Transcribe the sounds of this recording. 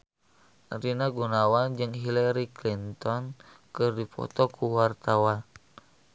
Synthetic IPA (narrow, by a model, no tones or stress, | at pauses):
rinaɡunawand͡ʒɨŋɦilaɾiklint̪ɔnkɨrdipɔ̰t̪ɔkuwart̪awan